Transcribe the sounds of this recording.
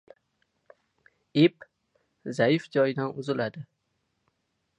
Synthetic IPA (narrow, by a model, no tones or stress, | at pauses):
ip | zajɪfd͡ʒɒjɪd̪anʊzɪlad̪ɪ